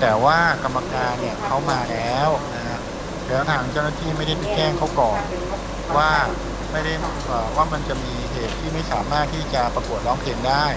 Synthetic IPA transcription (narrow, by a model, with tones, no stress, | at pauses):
t̪ɛː˨˩waː˥˩ka˧mːa˧kaː˧nːi˧˩ɐkʰa˦˥wmaː˧lɛː˦˥wna˦˥ha˦˥ʔ | lɛː˦˥wt̪ʰaː˧ŋt͡ɕa˥˩wnaː˥˩t̪ʰiː˥˩ma˥˩jda˥˩jpi˨˩t͡ɕɛː˥˩ŋkʰa˦˥wkɔː˨˩n | waː˥˩ | ma˥˩jda˥˩j | ʔaː˨˩waː˥˩ma˧nt͡ɕa˨˩miː˧ɦeː˨˩t̪ʰːiː˥˩ma˥˩jsaː˩˦maː˥˩t̪ʰːiː˥˩t͡ɕa˨˩pɾa˧ku˨˩ət̪̚lɔː˦˥ŋpʰeː˧ŋdaː˥˩j